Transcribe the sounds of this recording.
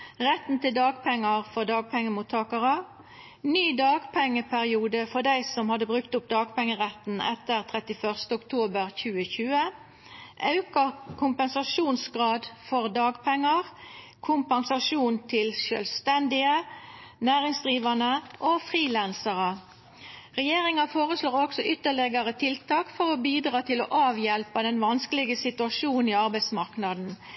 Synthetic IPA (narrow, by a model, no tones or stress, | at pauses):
ʁɛt̪n̩t̪ɪld̪ɑːɡpʰɛŋːɑʁfɔʁd̪ɑːɡ̚pʰɛŋːəmuːt̪ʰɑːkəʁə | nyːd̪ɑːɡpʰɛŋːəpʰæʁɪuːd̪əfɔd̪æɪsɔmhɑd̪əbʁʉkt̪ʊp̚d̪ɑːɡ̚pʰɛŋːəʁɛt̪nɛ̰t̪əʁt̪ʰʁɛt̪ɪfœʁst̪əʊkt̪ʰuːbəʁçʉːəçʉːə | ʔɑʉkɑkʰʊmpənsɑʃuːnsɡʁɑːd̪fɔʁd̪ɑːɡpʰɛŋːəʁ | kʰʊmpɑnsɑʂuːnt̪ʰɪlʃœ̰ːlst̪ɛnd̪ɪənæːʁɪŋsd̪ʁiːʋɑnəʔoːfʁiːlænsəʁə | ʁɛjeːʁɪŋɑfoːʁəsloːʁɔksɔʔʏt̪ːəɭɛɡəʁət̪ʰɪlt̪ʰɑːkfɔʁobiːd̪ʁɑːt̪ʰɪloʔɑːʋjɛlpəd̪ɛnʋɑnskəlɪɡəsɪt̪ʉɑʃuːniːɑʁbæɪd̪smɑʁknɑd̪n̩